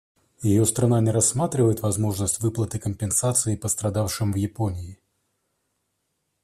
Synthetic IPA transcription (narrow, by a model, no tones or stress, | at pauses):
jɪjost̪ɾɐnanʲɪɾɐsːmat̪ɾʲɪvəjɪt̪vɐzmo̞ʐnəsʲtʲvɨplˠət̪ɨkəmʲpʲɪnsat̪sɨɪpəst̪ɾɐd̪afʂɨmvjɪponʲɪː